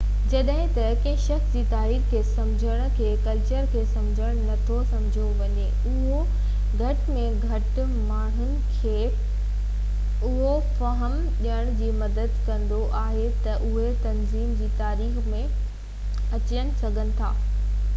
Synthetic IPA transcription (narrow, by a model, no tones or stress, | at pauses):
d͡ʑɐɗɦɪ̃t̪ɐkɐ̃ɦʃɐxsd͡ʑiːt̪aːɾiːxkʰeːsɐ̃md͡ʑʱəɽ̃̆kʰeːkɐlt͡ɕəɾkʰeːsɐ̃md͡ʑʱəɽ̃nɐt̪ʰosɐ̃mɪd͡ʑʱoʋɐɲe | ʊɦo | ɡʱɐʈmẽɡʱɐʈ̆ | maːɳ̤ʊnɪ̆kʰeː | ʊɦo | fɐɦəm | ɗijəɽ̃d͡ʑiːmɐd̪əd̪kɐ̃nd̪oʔaːɦet̪ɐʔʊɦet̪ɐnziːmd͡ʑiːt̪aːɾiːxmẽ | ɐt͡ɕəɽ̃ɪ̆sɐɡʱənɪ̆t̪ʰaː